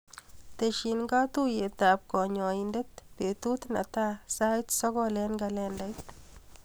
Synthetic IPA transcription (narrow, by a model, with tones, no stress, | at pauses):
t̪e˨ʃi˨nŋɡa˦t̪u˦je˨t̪a˨p̚kɔ˨ɲɔ˨inde˦t̪pe˨t̪u˦t̪na̰˨t̪a˦sa˦jt̪sɔ˦ɡɔ˦lɛ˦nɡa˨lɛ˧nda˦jt̪